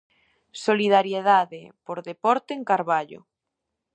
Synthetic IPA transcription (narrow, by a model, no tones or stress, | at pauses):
soliðaɾjeðaðepoɾðepɔɾt̪eːŋkaɾβaʎʊ̰